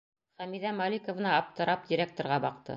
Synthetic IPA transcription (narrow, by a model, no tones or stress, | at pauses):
χæmiðæmɑlʲikŏvnɑːp̚t̪ɤ̆ɾɑp̚dʲiɾʲek̚t̪oɾʁɑbɑqt̪ɤ̰